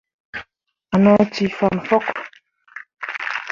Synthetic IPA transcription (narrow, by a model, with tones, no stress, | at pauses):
a˨nɔ˦ti˨fa˨n˨fɔ˦k